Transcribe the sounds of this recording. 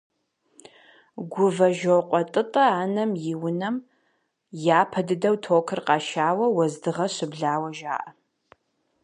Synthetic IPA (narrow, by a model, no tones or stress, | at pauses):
ɡʷʊvɐʒowqʷʼɔtʼɨtʼɐaːnɐmjɪwʊnɐm | jaːpʰɐdɨdɐwtʰoːkʰɨrqɑːʃaːwɐwɐzdɨʁɐɕɪbɮaːwɐʒa̰ːʔɐ